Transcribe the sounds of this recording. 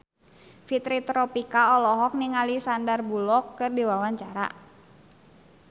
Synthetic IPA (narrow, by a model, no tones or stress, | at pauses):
fit̪ɾit̪ɾɔpikaɔlɔɦɔk̚niŋalisandarbulɔkːɨrdiwawaɲt͡ʃaɾa̰